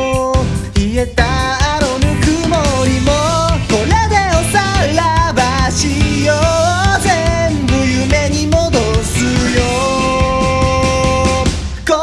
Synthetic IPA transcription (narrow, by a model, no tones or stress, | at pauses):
iet̪aaɾonɯkɯmoɾimokolːad̪eosalːabaɕijod͡ʑenbɯjumeɲimod̪osɯjo | ko